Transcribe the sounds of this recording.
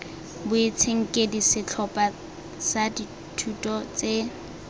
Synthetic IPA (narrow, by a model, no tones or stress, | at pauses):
bʊet͡sʰeŋ̩kʼedisɪt͡ɬʰɔpʼa | sadi | tʰutʼɔt͡se